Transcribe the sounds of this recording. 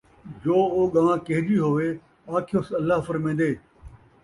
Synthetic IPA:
d͡ʒoːoːɠãːãːkeɦɪd͡ʒiːɦoːʋeː | aːkʰɪjoːsɐlːaɦfɐɾmẽːnd̪eː

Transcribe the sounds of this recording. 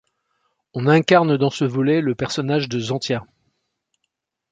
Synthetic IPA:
ɔ̃nɛ̃kaʁnd̪ɑ̃səvɔlɛləpɛʁsɔnaʒd̪əzɑ̃t̪ja

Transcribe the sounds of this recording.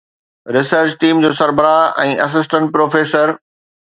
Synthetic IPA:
ɾɪsəɾt͡ɕʈiːmd͡ʑoːsɐɾbəɾaːɪɛ̃ːʔɐs̬ɪs̬ʈə̃ɳʈ̚pɾoːfeːsəɾ

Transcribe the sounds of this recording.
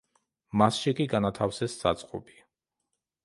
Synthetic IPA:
masʃikʼiɡanat̪ʰafsɛsːat̪sʼqʼɔbi̥

